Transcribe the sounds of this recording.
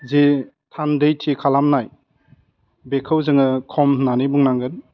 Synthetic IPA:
ze | tʰandɯjtʰikʰalamnaj | bekʰɯwzɯŋɯkʰɔmnanibuŋnaŋɡɯn

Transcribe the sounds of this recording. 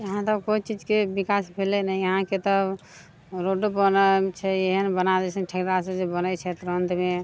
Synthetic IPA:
əɦãt̪əkoit͡ʃid͡ʒkebikasbʱelɛnɛiəɦãket̪ə | ɾoɖbənət͡ʃʰɛeɦənbənad̪ɛt͡ʃʰənʈʰəɡɾasəd͡ʒebənət͡ʃʰɛt̪ɾənd̪ʱme

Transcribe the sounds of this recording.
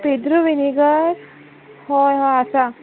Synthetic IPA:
pid̪ɾuʋiniɡəɾ | hɔjɦɔasa

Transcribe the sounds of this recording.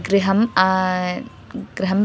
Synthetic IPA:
ɡɾɪɦɐm | ɡɾɪɦɐm

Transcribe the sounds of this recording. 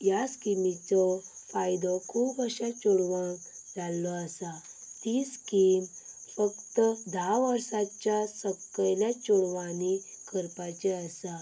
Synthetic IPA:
jaskimit͡sɔfajd̪ɔkʰuːpəɕat͡ɕɔɽʋãd͡zalːɔəsat̪iskimfəkt̪d̪ʱaʋəɾsat͡ɕasəkːəjljat͡ɕɔɽʋani | kəɾpat͡ɕeəsa

